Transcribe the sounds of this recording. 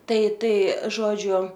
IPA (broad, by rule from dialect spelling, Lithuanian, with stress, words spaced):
ˈtɐɪ ˈtɐɪ ˈʒoːd͡ʒʲʊ